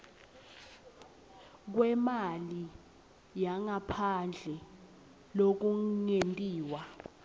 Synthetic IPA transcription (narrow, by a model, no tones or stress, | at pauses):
k̬wɛmali | jaŋapʰand͡ɮʱɛ | lok̬uŋentʼiːwa